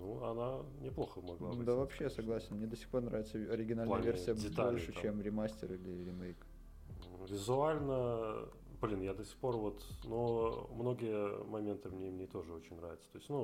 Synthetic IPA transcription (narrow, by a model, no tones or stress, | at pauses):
nuɐ̰nanʲɪplˠo̞xəmɐɡlˠad̪avɐpɕːesɐɡlˠasʲɪnmnʲed̪əsʲɪ̥xpo̞rnɾavʲɪt̪səɐɾʲɪɡʲɪnalnəjəvʲersʲɪjəɪt̪olʲʂɨt͡ɕemɾʲɪmasʲtʲɪrilʲɪɾʲɪmejk | vʲɪzʊalʲnə | blʲinjad̪əsʲɪ̥xpo̞rvo̞t̪nomno̞ɡʲɪjəmɐmʲent̪ɨmnʲemnʲet̪o̞ʐɨo̞t͡ɕɪnʲnɾa̰vʲɪt̪sət̪o̞ɪsʲtʲnu